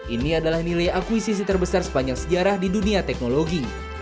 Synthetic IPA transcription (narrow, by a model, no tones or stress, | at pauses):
ʔiniadalahnilajakwisis̬it̪ərbəsarsə̥paɲd͡ʒaŋsəd͡ʒaɾahdiduniat̪ɛk̚noloɡi